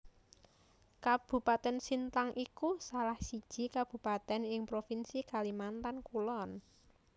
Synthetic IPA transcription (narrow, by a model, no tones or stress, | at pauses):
kab̥ṳpat̪ɛnsint̪aŋʔikusalahsid̥ʒ̥i̤kab̥ṳpat̪ɛnɪŋpɾofinsikalimant̪ankulɔn